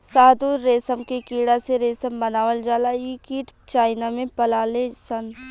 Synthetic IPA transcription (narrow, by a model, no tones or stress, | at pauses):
saːd̪uːɾːeːsəmkekiːɽaseɾeːsəmbɐnaːʋəld͡ʒaːlaikiːʈt͡ʃaːɪnamẽpɐlaːlesən